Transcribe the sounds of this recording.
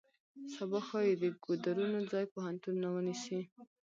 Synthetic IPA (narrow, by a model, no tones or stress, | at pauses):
sabɑxɑjed̪əɡod̪aɾunod͡zɑjpohant̪unːawənisi